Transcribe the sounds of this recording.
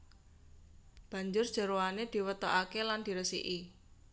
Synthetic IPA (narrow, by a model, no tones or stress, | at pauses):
b̥ä̤ɲd͡ʒʊrd̥ʒ̥ə̤ɾoaned̪̥i̤wət̪oʔakeland̪̥i̤ɾəsḭʔi